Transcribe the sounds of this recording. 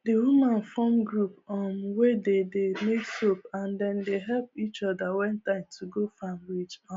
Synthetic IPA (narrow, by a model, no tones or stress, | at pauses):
dewumãnfɔmɡɹupɔmwededemeksopãndɛ̃ndeɦɛlpit͡ʃɔdawɛ̃ntãɪ̃mtʰuɡofãmɹit͡ʃã